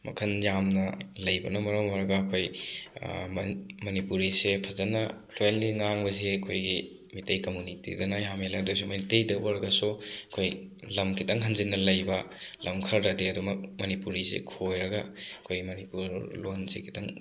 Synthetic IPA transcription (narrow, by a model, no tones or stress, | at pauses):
mɐ̰kʰɐnjamnɐlɐjbɐnɐmɐɾɐmaɾɐɡɐːkʰoj | mɐnipuɾisepʰɐzɐnɐpʰlojnliŋaŋbɐzeɐkʰojɡi | mitɐjkɐmunitḭdɐnɐjamelaɐdojsumɐnitejdɐwɐɾɐɡɐsuɐkʰoj | lɐmkʰitɐŋɦɐnzinːɐlɐjbɐ | lʔɐmkʰɐɾːɐdeɐdumɐk̚mɐnipuɾisḛkʰojɾɐɡɐɐkʰojɡimɐnipuɾlonzḛkʰi̥tɐŋ